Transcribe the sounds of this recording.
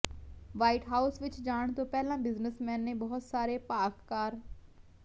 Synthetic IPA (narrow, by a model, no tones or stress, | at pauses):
ʋaːiʈɦaːʊsʋɪt͡ʃd͡ʒaːɳ̃t̪õːpɛːlãːbɪznəsmɛ̃ːnːẽbɔɦʊt̪saːɾepaːkːaːɾ